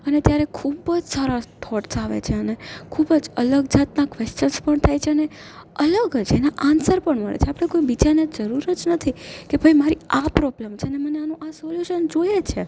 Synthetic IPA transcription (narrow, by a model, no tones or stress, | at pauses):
ənet̪jaɾekʰubəd͡ʒsaɾat̪ʰɔʈsaʋḛt͡ʃʰeənekʰubəd͡ʒələɡd͡ʒat̪nakʋest͡ʃənspəɳt̪ʰajt͡ʃʰeəne | ələɡd͡ʒenaʔansəɾpəɳmə̰ɭḛt͡ʃʰeapɽ̃ekoibit͡ʃaned͡ʒəɾuɾəd͡ʒnət̪ʰikebʱəjmaɾiapɾɔbləmt͡ʃʰeneməneanũʔasɔljuʃənd͡ʒojet͡ʃʰe